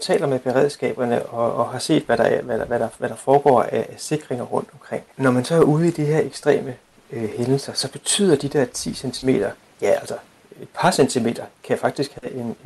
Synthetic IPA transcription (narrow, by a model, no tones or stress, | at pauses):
t͡sʰɛ̰ːlɐmeb̥e̝ʁɛ̰ð̞̰ˠsɡ̥ɛ̰ːb̥ɐnəʔɒ̽ɒ̽ɦɑ̈se̝̰ːd̥ʋæɾ̥ɑæɐʋæʋæɾ̥ɑ̈ʋæɾ̥ɑ̈fɒːɡ̥ɒ̰ːæːse̝ɡ̥ʁeŋɐʁɔ̽n̰d̥ɒ̽mkʰʁeŋ̰nɒmænsɒ̽æɐuːð̞ˠid̥iɦe̝ɐ̰eɡ̥sd̥ʁɛ̰ːmə | øhenl̩sɐsɒ̽b̥e̝t͡sʰy̰ːð̰ˠɐd̥id̥eɐ̰t͡sʰḭːsent͡sʰime̝̰ːd̥ɐ | jææl̰sɐ | e̝d̥̚pʰɑ̈sent͡sʰime̝̰ːd̥ɐkʰæjfɑ̈ɡ̥d̥isɡ̥hæʔe̝n